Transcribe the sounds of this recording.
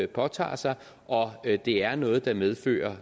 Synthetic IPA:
pʰɒ̽t͡sʰɑ̰̈ːsɑ̈ɪ | ʔɒ̽d̥e̝æɐnɔ̽ːð̞̩ˠd̥ɑ̈með̞ˠfø̰ːɐ

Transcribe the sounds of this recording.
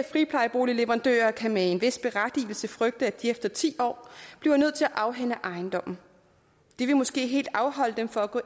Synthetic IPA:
fʁipʰlɑ̈ɪb̥o̝ːlileʋɐʁɑ̈nd̥ø̰ːɐkʰæmeenʋe̝sd̥̚b̥e̝ʁad̥ḭːl̩səfʁœɡ̥̚d̥əæd̥iefd̥ɐt͡sʰḭːɒ̰ːb̥linøð̰ˠt͡sʰe̝æʔɑ̈ʊɦen̰əʔɑ̈ɪnd̥ɒ̽m̰n̩ | d̥iʋe̝mɒ̽sɡ̥e̝̰ːɦe̝̰ːld̥ɑ̈ʊɦɒ̽l̰əd̥emfɒ̽æɡ̥ɔ

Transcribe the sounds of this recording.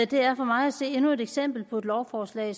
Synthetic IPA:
d̥e̝æɐfɒ̽mɑ̈ɪæse̝̰ːe̝nue̝d̥eɡ̥sem̰b̥l̩pʰɒ̽e̝d̥lɒʊfɒːslɛ̰ːs

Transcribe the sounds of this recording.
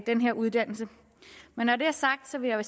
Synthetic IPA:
d̥enɦeɐ̰ʔuð̞ˠd̥æn̰l̩sə | menːɒd̥e̝æɐsɑ̈ɡ̥̚d̥sɒ̽ʋe̝jɑʋæ

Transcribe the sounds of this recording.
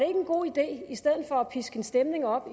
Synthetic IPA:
ee̝ɡ̥əenɡ̥o̝̰ːid̥e̝̰ːisd̥eð̞̰̩ˠfɒ̽æpʰisɡ̥əe̝nsd̥emne̝ŋɒ̽b̥i

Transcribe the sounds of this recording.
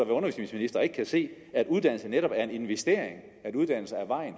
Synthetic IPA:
ɑʋæɐɔnɐʋisnisminisd̥ɐe̝ɡ̥əkʰæse̝̰ː | æd̥uð̞ˠd̥æn̰l̩səneɾɒ̽b̥æɐe̝ne̝nʋesd̥e̝̰ːɐ̰eŋ | æɾuð̞ˠd̥æn̰l̩səæɐʋɑ̈ɪ̰n

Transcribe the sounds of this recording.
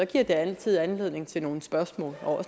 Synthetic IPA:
ɒ̽ɡ̥iɐ̰d̥eænt͡sʰið̞̰ˠænle̝ðˠne̝ŋt͡sʰe̝lno̝ːn̩sb̥ɶɐsmɔ̰ːlɒɒ̽s

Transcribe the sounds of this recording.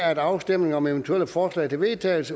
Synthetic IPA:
æɐed̥ɑ̈ʊsd̥em̰ne̝ŋɒ̽meʋənt͡sʰueləfɒːslɛ̰ɪt͡sʰe̝lʋe̝ðˠt͡sʰɛːl̩sə

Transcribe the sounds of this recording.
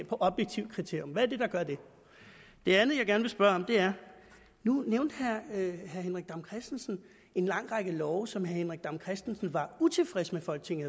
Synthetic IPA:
pʰɒ̽ʔɒ̽b̥jeɡ̥̚t͡sʰiʊ̰kʰʁit͡sʰe̝ɐ̰jomʋææɐd̥e̝d̥ɑ̈ɡ̥ɶɐd̥e̝ | d̥e̝ænð̩ˠjɑ̈ɪɡæɐnʋe̝sb̥ɶɐɒ̽md̥e̝æɐ | nuneʊnd̥hæɐhæɐɦenʁaɡ̥d̥ɑ̈mkʰʁɛsd̥n̩sn̩ | e̝nlɑ̈ŋ̰ʁɑɡ̥əlɒʊsɒ̽mhæɐhenʁiɡ̥̚d̥ɑ̈mkʰʁɛsd̥n̩sn̩ʋɑ̈ut͡sʰe̝lfʁɛsmefɒ̽l̰ɡ̥̚t͡sʰe̝ŋæ

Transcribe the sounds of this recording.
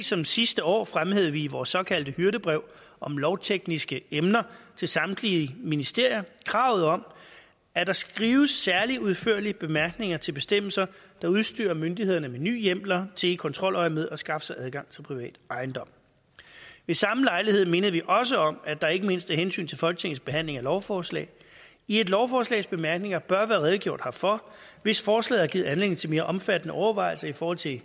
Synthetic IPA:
sɒ̽msisd̥əɒ̰ːfʁamheð̞ˠʋiːʋɒːsːɒ̽kʰæl̰d̥əhyɐɾəb̥ʁɛʊ̰ʔɒ̽mlɒʊt͡sʰeɡ̥nisɡ̥əemnɐt͡sʰe̝lsɑ̈md̥liminisd̥e̝ɐ̰jɐkʰʁɑ̈ʊð̞̩ˠɒ̽m̰ | æd̥ɑ̈sɡ̥ʁiːʊəsːæɐliuðˠføɐ̰lib̥e̝mæɐɡ̥ne̝ŋɐt͡sʰe̝lb̥e̝sd̥em̰l̩sɐd̥ɑ̈uð̞ˠsd̥y̰ːɐmønd̥iheðˠɐnəmeny̰ːjem̰lɐt͡sʰe̝ːkʰɒ̽nt͡sʰʁɒ̽l̰ʔɒɪmeðˠɒ̽sɡ̥ɑ̈fəsɑ̈ɪʔæð̞ˠɡ̥ɑ̈ŋ̰t͡sʰe̝lpʰʁiʋɛ̰ːd̥ɑ̈ɪnd̥ɒ̽m̰ | ʋe̝sɑ̈məlɑ̈ɪlihe̝ð̞̰ˠme̝nəð̩ˠʋiʔɒ̽s̬əɒ̽mæd̥ɑ̈e̝ɡ̥əme̝n̰sd̥æɐɦensy̰ːnt͡sʰe̝lfɒ̽lɡ̥ə̥t͡sʰe̝ŋ̩sb̥e̝ɦæn̰le̝ŋælɒʊfɒːslɛ̰ɪ | ie̝d̥lɒʊfɒːslɛ̰ːɪsb̥e̝mæɐɡ̥ne̝ŋɐb̥ɶɐʋæːɐʁɛðˠɡ̥jo̝ɐ̰d̥hɑ̈fɒ̽ʋe̝sfɒːslɛ̰ːðˠɐɡið̩ˠænle̝̰d̥ŋ̩t͡sʰe̝me̝ːɐʔɒ̽mfæd̥ənəɒʊɐʋɑ̈ɪl̩sɐifɒɔːhɒ̽l̰t͡sʰe̝

